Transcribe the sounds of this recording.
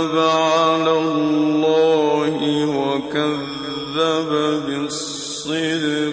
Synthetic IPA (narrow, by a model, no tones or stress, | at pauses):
baʕalaːlllːɑːhɪwakaðː | ababɪsˤ | iɾ